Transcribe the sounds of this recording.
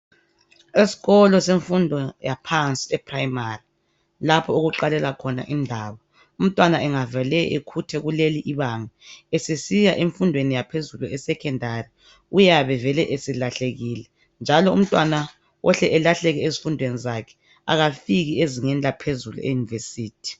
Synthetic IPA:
esi̥ɣɔlɔseɱfundʱɔjapʰant͡sʼiɛprajimari | lapʰɔoɣuǃalɛlakʰɔna̰ʔindʱaːβɔ | um̩tʼwanaʔɛŋavalɛʔekʰutʰɛɣuleliʔiβaŋɛesesijaʔeɱfundʱwenijapʰezuluɛsɛkʰɛndʱari | ujaβɛvɛlɛʔesilaɬeɣiːlɛ | nd͡ʒʱalɔum̩tʼwana | wʔɔɬɛʔɛlaɬɛɣɛezifundʱwenizakʰɛ̥ | a̰ɣafiɣieziŋɛnd͡ɮʱapʰezulṵḛjunivesiːtʰi̥

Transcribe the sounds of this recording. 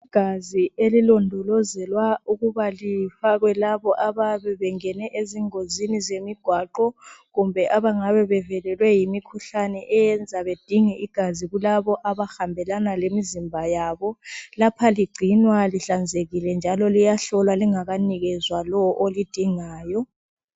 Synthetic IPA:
iɡ̥ʱazielilɔndʱɔlɔzɛlwauɣuβalifaɣwɛlaβɔʔaβaβɛβɛŋɛnɛʔeziŋozinizemiɡ̥ʱwaǃɔɣumbʱɛʔaβaŋaβɛβɛvɛlɛlwɛjimikʰuɬanɛʔɛjɛnd͡zʱaβed̥ʱiŋɛiɡ̥ʱaziɣulaβɔʔaβaxambʱɛlanalemizimbʱajaːβɔlapʰaliɡ͡ǀʱinwaliɬand͡zʱeɣilɛnd͡ʒʱalɔlijaɬɔlwaliŋaɣaniɣɛzwalɔʔolid̥ʱiŋaːjɔ

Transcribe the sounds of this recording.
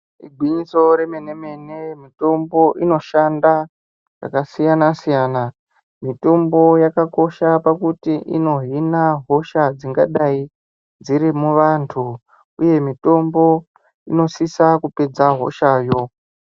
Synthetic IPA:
iɡʱwiɲiso̞ɾe̞me̞neme̞nemito̞mbo̞ʔino̞ʃanda | ʐa̰kasijanasijaːna | mito̞mbo̞jakako̞ʃapakutiʔino̞ɦinaɦo̞ʃad͡ziŋɡaɗai | d͡ziɾimuʋantʰu | uje̞mito̞mbo̞ | ino̞sisakupe̞d͡zaɦo̞̰ʃaːjo̞

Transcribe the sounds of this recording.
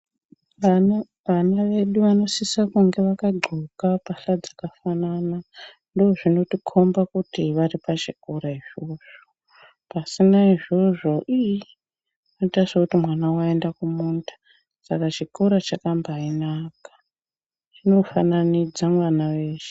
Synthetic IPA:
ʋanaʋe̞ɗuʋano̞sisakuŋɡe̞ʋakaɡ͡ǃʱukapaɬad͡zakafanana | ndoːʐino̞tikʰo̞mbakutiʋaripat͡ʃikoɾaiʐo̞ʐo | pasinaiʐo̞ʐo̞ʔiji | noitasakutimwanawaendakumuntḁ | sakat͡ʃikoɾat͡ʃakambainakḁ | t͡ʃino̞fa̰nanid͡zamwanaʋeːʃe̥

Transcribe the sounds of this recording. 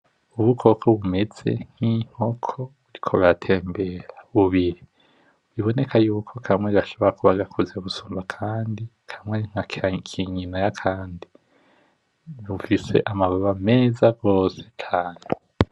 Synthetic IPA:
uβukʰo̞kʰoβume̞z̥e̞̰ŋ̥hiŋ̥ho̞kʰo̞βuɾikʰoβatʰe̞ːmbe̞ɾḁβuβiɾi | βiβo̞ne̞kʰajuːkʰo̞kʰamweiɾaʃo̞βoɾakuβaɡakʰuzeβusuːmbakʰaːndikʰamweŋ̥akkʰiɲinajakʰaːndi | βufise̞̰ʔamaβoβame̞ːzaɡo̞ːset͡ʃʰaːne

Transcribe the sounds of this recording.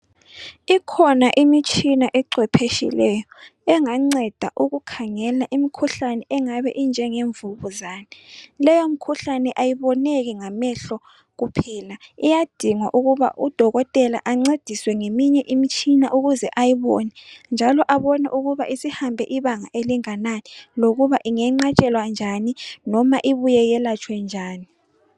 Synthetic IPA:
ikʰɔnaʔimit͡ʃʰʼinaʔɛǀwɛpʰeʃḭlɛjɔɛŋaŋ͡ǀɛd̥ʱa̰ʔuɣukʰaŋɛlaʔimikʰuɬanɛʔɛŋaβɛʔind͡ʒʱɛŋeɱvuβuzaːnɛlɛjomikʰuɬanɛʔajiβɔneɣiŋamɛɬɔ | ɣupʰilaijad̥ʱiŋwaʔuɣuβa̰ʔud̥ʱɔɣɔtʼɛla̰ʔaŋ͡ǀed̥ʱiswɛŋemiɲɛʔimit͡ʃʼinaʔuɣuzɛʔajiβɔ̰nɛnd͡ʒʱalɔʔaβɔnɛ̰ʔuɣuβaʔisihambʱɛʔiβaŋa̰ʔeliŋananiloɣuβaʔiŋɛŋ͡ǃat͡ʃʼɛlwand͡ʒʱaninɔmaʔiβujɛjɛlat͡ʃʰʼwɛnd͡ʒʱaːni

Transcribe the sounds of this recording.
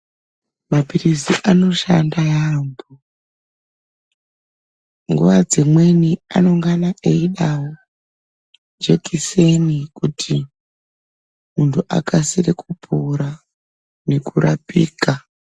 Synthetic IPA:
mapirisiʔano̞ʃandajambo | ŋɡṵʋad͡zimwe̞nia̰no̞ŋɡanaʔeiɗawo | d͡ʒe̞kise̞nikutʰi | muntʰuʔa̰kasirekupʰuɾa | ne̞kuɾapḭːka

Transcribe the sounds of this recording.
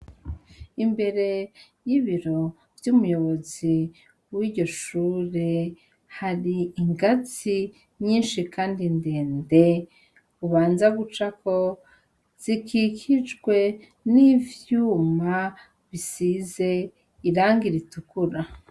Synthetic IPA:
imbe̞ɾe̞ | jiβiɾo̞ | v̥jumujo̞βo̞zi | wiɟo̞ʃuɾe̞ | haɾiːŋɡat͡si | ɲiːnʃikaːndindeːnde̞ | uβaːnzaɡut͡ʃako̞ | z̥ikikʰid͡ʒɡwe̞ | nivjuːma | βisize̞ | iɾaːŋɡiɾitukuɾa

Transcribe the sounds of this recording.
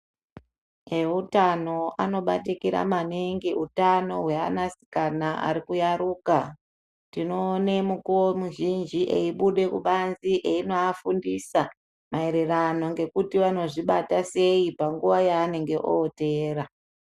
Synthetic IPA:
eutano̞ano̞ɓa̰tikiɾa̰maneŋɡeutano̞ɦwea̰nasi̥kanaʔa̰ɾikujaɾuːka | tino̞ːnemukuwomuʒind͡ʒiʔḛiɓuɗe̞kuɓanziʔeinoafundisa | mae̞ɾerano̞ŋɡe̞kutiʋano̞ʐiɓatase̞ipaŋɡuʋajaːne̞ŋɡe̞ʔoːte̞ːra

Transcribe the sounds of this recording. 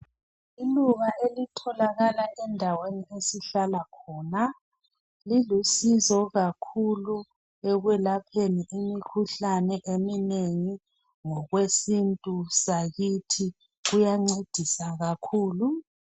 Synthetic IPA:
iluɣaʔelitʰɔlaɣalaʔɛndʱaweniesiɬalakʰɔːna | lilusizɔɣakʰulu | ɛɣwɛlapʰeniʔimikʰuɬanɛʔemineŋi | ŋɔɣwesintʼusaɣitʰi | ɣujaŋ͡ǀed̥ʱisaɣakʰuːlu

